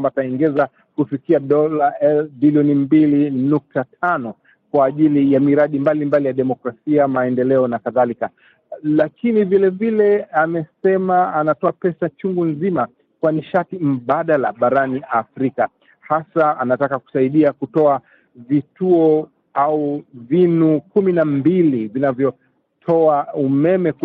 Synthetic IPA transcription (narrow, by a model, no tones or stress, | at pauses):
mbataiŋɡɛza | kufikiaɗɔlaɛlbiliɔnimbilinuk̚tatʰanɔ | kwaːʄilijamiɾaɗimbalimbalijaɗɛmɔkɾasiamaɛndɛlɛɔnakaðalika | lakinivilɛvilɛamɛsɛmaanatɔapɛsat͡ʃuŋɡunzima | kwaniʃatim̩ɓaɗala̰ɓaɾaniafɾika | hasaanatakaku̥saiɗiakutɔa | vituɔ | auvinukuminambilivinavjɔ | tʰɔaumɛmɛ